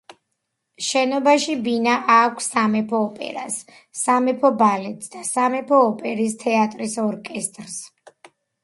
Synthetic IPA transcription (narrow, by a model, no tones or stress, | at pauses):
ʃɛnɔbaʃibinaʔakʷʰsːamɛpʰɔːpʼɛ̰ɾasː | amɛpʰɔbalɛt̪sd̪̥asamɛpʰɔːpʼɛɾist̪ʰɛat̪ʼɾisɔɾkʼɛst̪ʼɾs